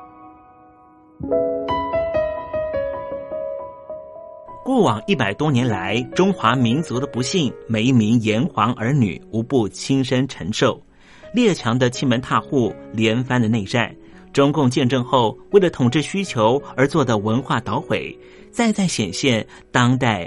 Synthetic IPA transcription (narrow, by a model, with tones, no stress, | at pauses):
kwɔ˥˩wɑ˨˩ŋi˥˩pa˨˩ɪt̪wɔ˥njɛ˧˥nla˧˥ɪʈ͡ʂʊ˥ŋxwa˧˥mi˧˥nt͡su˧˥d̪ə˧pu˧˥ɕi˥˩ŋme˨˩ɪi˥˩mi˧˥ŋjɛ˧˥nxwɑ˧˥ŋʔə˞˧˥ny̰˨˩u˧˥pu˥˩t͡ɕʰi˥nʂə˥nʈ͡ʂʰə˧˥ŋʂo˥˩ʊ | ljɛ˥˩t͡ɕʰjɑ˧˥ŋd̪ə˧t͡ɕʰi˥nmə˧˥nt̪ʰa˥˧xu˥˩ljɛ˧˥nfa˥nd̪ə˨ne˥˧ɪʈ͡ʂa˥˩n | ʈ͡ʂʊ˥ŋkʊ˥˧ŋt͡ɕjɛ˥˧nʈ͡ʂɤ˥˧ŋxo˥˧ʊwe˥˩ɪlə˩t̪ʰʊ˨˩ŋʈ͡ʂɻ̩˥˩ɕy˥t͡ɕʰjo˧˥ʊə˞˧˥t͡swɔ˥˩d̪ə˩wə˧˥nxwa˥˩t̪ɑ˧˥ʊxwe˨˩˦ɪ | t͡sa˥˧ɪt͡sa˥˩ɪɕjɛ˨˩nɕjɛ˥˩n | t̪ɑ˥ŋt̪a˥˩ɪ